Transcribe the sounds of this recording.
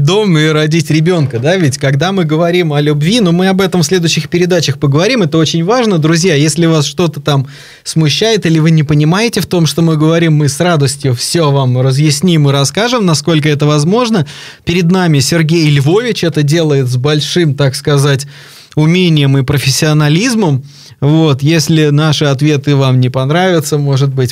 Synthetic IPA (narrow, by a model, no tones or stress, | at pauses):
d̪omːɨɾɐdʲitʲɾʲɪbʲo̞nkəd̪avʲɪtʲkɐɡd̪amɨɡəvɐɾʲimɐlʲʊbvʲinomɨɐbɛt̪əmfsʲlʲe̞d̪ʊɕːɪxpʲɪɾʲɪd̪at͡ɕəxpəɡəvɐɾʲimɛt̪əo̞t͡ɕɪnʲvaʐnəd̪ɾʊzʲjajesʲlʲɪvasʂt̪o̞t̪ət̪am | smʊɕːæjɪt̪ilʲɪvɨnʲɪpənʲɪmajɪtʲɪft̪o̞mʂt̪o̞mɨɡəvɐɾʲimːɨsrad̪əsʲtʲjʊfsʲovamrəzjɪsʲnʲimɨɾɐskaʐɨmnɐsko̞lʲkəɛt̪əvɐzmo̞ʐnə | pʲɪɾʲɪd̪namʲɪsʲɪrɡʲejlʲvo̞vʲɪt͡ɕɛt̪ədʲe̞lˠəjɪt̪zbɐlʲʂɨmt̪akskɐzatʲ | ʊmʲenʲɪjəmɨpɾəfʲɪsʲːɪɐnɐlʲizməm | vo̞t̪jesʲlʲɪnaʂɨɐt̪vʲe̞t̪ɨvamnʲɪpɐnɾavʲɪt̪səmo̞ʐɨd̪̚bɨtʲ